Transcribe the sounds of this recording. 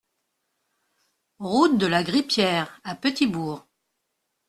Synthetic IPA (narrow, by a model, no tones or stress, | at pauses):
ʁut̪̚d̪əlaɡʁipjɛːʁapət̪ibuːʁ